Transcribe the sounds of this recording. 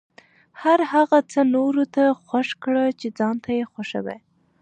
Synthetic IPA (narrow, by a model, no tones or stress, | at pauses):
haɾhaɣat͡sənoɾot̪axwaʃkɽət͡ʃed͡zɑnt̪ʰajexwaʃə̰wḛ